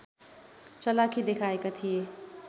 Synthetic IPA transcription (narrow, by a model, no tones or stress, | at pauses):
t͡ʃʌlakʰid̪ekʰaekat̪ʰije